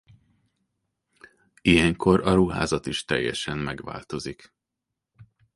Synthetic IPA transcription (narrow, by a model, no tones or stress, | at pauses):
ijɛŋko̞ɾʔɒɾuɦa̰ːzɒt̪iʃt̪ɛ̰jːɛʃɛmːɛɡʋa̰ːlt̪o̞zik